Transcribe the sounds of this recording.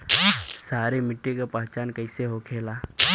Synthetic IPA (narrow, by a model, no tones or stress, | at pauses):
saːɾemɪʈːekapaɦt͡ʃaːnkəɪseɦokʰeːlaː